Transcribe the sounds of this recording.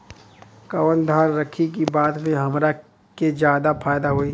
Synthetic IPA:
kɐʋənd̪ʱaːnɾɐkʰik̬ibaːt̪mẽɦɐmɾa | ked͡ʒjaːd̪apʰaːjd̪aɦoːiː

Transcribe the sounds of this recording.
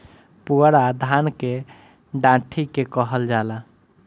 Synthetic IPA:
puɾad̪ʱanke | ɖãʈʰikekəɦəld͡ʒala

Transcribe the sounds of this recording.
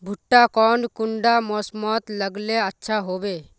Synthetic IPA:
bʱuʈːakɔnkuɳɖamɔsmɔt̪ləɡleatːʃʰaɦobe

